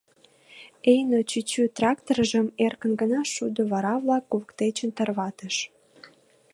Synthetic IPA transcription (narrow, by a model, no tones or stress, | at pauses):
ejnot͡ɕyt͡ɕyt̪rɑkt̪oɾəʒəmerkənɡənɑʃud̪oβɑɾɑβlɑkːuβəkt̪et͡ɕənt̪ərβɑt̪əʃ